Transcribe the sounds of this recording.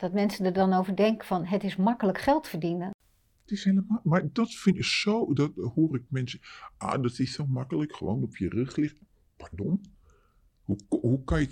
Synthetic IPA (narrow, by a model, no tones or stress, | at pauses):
d̥ɔtmɛnsədərdɔnowvəɹdɛŋkəfɔnɦətɪsmakələkχɛlˠtfərdinə | tɪsheləmaːmardɔtfɪnɪksoːdɔthoərɪk̚mɛnsəʔa̰ːdɔtɪssomakələkxəʋo̰ːnɔpʰjərøxlɪx | pardɔm | huhukɔjə